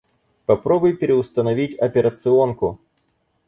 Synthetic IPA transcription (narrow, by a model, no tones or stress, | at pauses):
pɐpɾo̞bʊjpʲɪɾʲɪʊst̪ənɐvʲitʲɐpʲɪɾət̪sɨo̞nkʊ